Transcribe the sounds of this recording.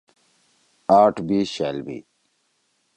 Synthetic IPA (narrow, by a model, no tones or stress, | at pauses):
aːʈʰbiːɕaːlbḭː